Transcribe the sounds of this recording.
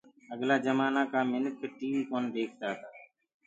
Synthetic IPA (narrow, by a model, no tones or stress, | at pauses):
əɡlaːd͡ʒəmaːnaːkaːmɪnək̪̚ːʈiːʋikoːnd̪eːkʰt̪aːɦət̪aː